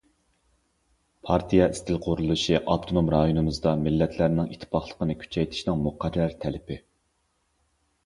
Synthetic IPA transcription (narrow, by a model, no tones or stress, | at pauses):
pʰɑɾt̪ʰijɑʔist̪ʰɪlqʰoɾulˠɨʃiʔɑp̚t̪ʰonomɾɑjonɨmɨzd̪ɑmɪlːɛt̪ʰlæɾnɪŋit̪ʰːpʰɑχlˠə̥qənɨkʲʰy̥t͡ʃʰɛjt̪ʰɪ̥ʃnɪŋmuqʰæɾːæɾt̪ʰɛlɪpɪ